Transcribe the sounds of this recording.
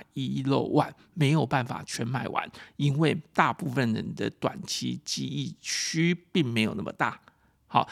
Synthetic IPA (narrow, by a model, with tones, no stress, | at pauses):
i˥lo˥˧ʊwa˥˩n | me˧˥ɪjo˨˩ʊpa˥˩nfa̰˨˩t͡ɕʰɥɛ˧˥nma˥˩ɪwa̰˧˦ni˦˥nwe˥˧ɪt̪a˥˧pu˥˧fə˨nlə˨˩d̪ə̰˨t̪wa̰˨˩nt͡ɕʰḭ˧˥t͡ɕi˧˥i˥˩t͡ɕʰy˦pi˥˩ŋme˧˥ɪjo˨˩na̰˥˩mə˨˩t̪a̰˥˩ | xɑ˨˩˦ʊ